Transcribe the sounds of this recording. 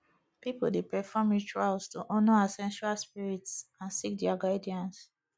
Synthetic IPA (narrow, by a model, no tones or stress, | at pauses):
pipoldepɛfɔmjit͡ʃualstuʔɔnɔasɛ̃nʃualspiɹitsãnsik̚dɛaɡaɪdiãns